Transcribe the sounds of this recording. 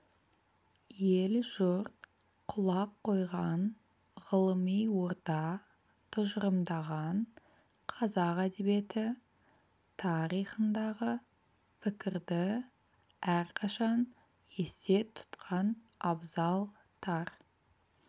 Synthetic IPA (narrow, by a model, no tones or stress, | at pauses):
jelʒʊɾt̪̚ | qʰʊlˠɑqʰːo̞jʁɑn | ʁəlˠəmijwo̞ɾt̪ɑ | t̪ʰʊʒəɾəmd̪ɑʁɑn | qʰɑzɑqæd̪e̞be̞t̪ɪ | t̪ʰɑɾijχənd̪ɑʁə | pʰɪkʲɪɾd̪ɪ | æɾqʰɑʃɑn | je̞st̪e̞t̪ʰʊ̥t̪qʰɑn | ɑbzɑlˠ | t̪ʰɑɾ